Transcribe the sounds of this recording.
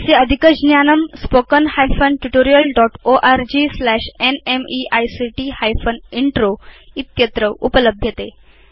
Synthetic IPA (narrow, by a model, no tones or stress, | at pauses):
seəd̪ʱikəd͡ʑnjanəmspokənhajfənʈuʈoɾijəlɖɔʈoʔaɾd͡ʑislæɕenemiʔajsiʈihajfəniɳʈɾoit̪jət̪ɾəʔupələbʱjət̪e